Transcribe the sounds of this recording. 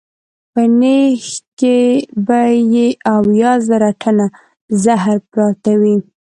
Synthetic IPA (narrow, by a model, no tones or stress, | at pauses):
pənexkebajeʔawjɑzaɾaʈʰəna | zaɦɾpɾɑt̪awi